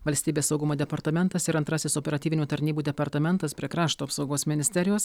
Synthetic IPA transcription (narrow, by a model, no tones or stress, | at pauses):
ʋɐlʲsʲt̪ʲiːbʲeːsːɒʊɡʊmoːd̪ʲɛpɐɾt̪ɐmʲɛnt̪ɐsɪɾɐnt̪ɾɑsʲɪsɔpʲɛɾɐt̪ʲiːʋʲɪnʲuːt̪ɐɾʲnʲiːbuːd̪ʲɛpɐɾt̪ɐmʲɛnt̪ɐspʲɾʲiɛkɾɑːʃt̪oːpsɒʊɡoːsmʲɪnʲɪsʲt̪ʲɛɾʲɪjoːs